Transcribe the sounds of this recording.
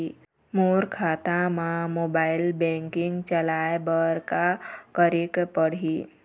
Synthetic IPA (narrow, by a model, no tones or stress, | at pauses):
moɾkʰat̪ãmãmobailbɛ̃ŋkiŋɡt͡ʃəlajbəɾkakəɾikpəɽ̤i